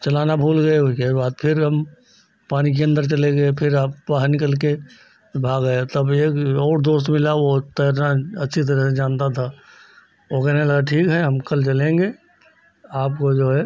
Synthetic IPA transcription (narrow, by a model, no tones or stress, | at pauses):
t͡ʃəlaːnabʱuːlɡəeoikebaːd̪̚pʰɪɾɦəm | paːnik̬eə̃nd̪əɾt͡ʃəleɡəepʰɪɾaːppaɦnɪkəlk̬e | bʱaːɡəet̪əbeːkɔːɾd̪oːst̪mɪlaʋot̪əjɾãətːʃʰit̪̬əɾəɦsed͡ʒaːnt̪at̪ʰa | okɛɦneləɡaʈʰiːkɦɛɦəmkəlt͡ʃəlẽŋɡeː | aːp̚kod͡ʒoːɦɛ